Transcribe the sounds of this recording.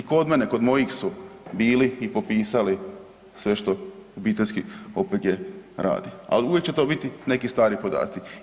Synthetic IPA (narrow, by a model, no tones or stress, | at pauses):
iko̞d̪meneko̞d̪mo̞jixsubiːliːpopiːsali | sʋe̞ʃt̪o̞ubiːt̪eskio̞pet̪ɡ̪jeɾʔa̰ːd̪ia̰liujek̚t͡ɕe̞t̪o̞ːbit̪ine̞kist̪aːɾipo̞d̪a̰ːt̪si